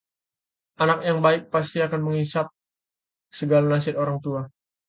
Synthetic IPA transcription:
anak̚jaŋbaɪk̚pas̬t̪iakanməŋisat̪̚ | səɡalanasɪt̪oɾaŋt̪ua

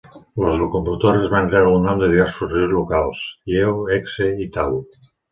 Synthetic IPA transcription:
ləzlukumpɾut̪oɾəzβanɾealunomd̪əðiβɛɾsuzriwzlukalˠsjewɛkseit̪aw

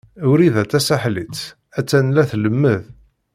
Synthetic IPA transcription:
ʊɾiðæt͡sːæsaħlit͡sː | æt͡sːænlæθləmːəð

